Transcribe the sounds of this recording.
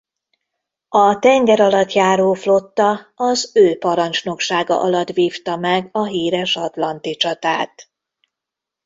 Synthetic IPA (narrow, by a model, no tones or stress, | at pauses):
ɒt̪ɛŋɡɛɾɒlɒt̪jaːɾoːflo̞t̪ːɒɒzøːpɒɾɒnt͡ʃno̞kʃaːɡɒ̰ʔɒlɒt̪viːft̪ɒmɛɡɒɦiːɾɛʃɒt̪lɒnt̪it͡ʃɒt̪aːt̪